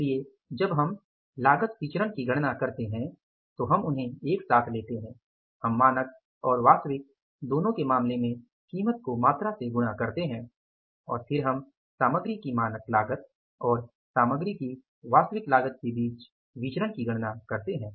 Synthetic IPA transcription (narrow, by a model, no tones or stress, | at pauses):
lie | d͡ʒɐbɦɐm | laːɡət̪ʋɪt͡ʃɾənkiɡʱɐɽ̃nakɐɾt̪eɦɛ̃ | t̪oɦɐmʊnɦẽeːksaːt̪ʰleːt̪eɦɛ̃ː | hɐmːaːnək̚ | ɔːɾʋaːst̪ʋɪk̚ | d̪oːnõkemaːmlemẽ | kiːmət̪̚komaːt̪ɾaseɡʊnakɐɾt̪eɦɛ̃ː | ɔːɾpʰɪɾɦɐm | saːməɡɾikimaːnək̪laːɡət̪̚ | ɔːɾ | saːməɡɾiki | ʋaːst̪əʋɪklaːɡət̪̚kebiːt͡ʃ | ʋɪt͡ʃɾəɽkiɡʱɐɽnakɐɾt̪eɦɛ̃ː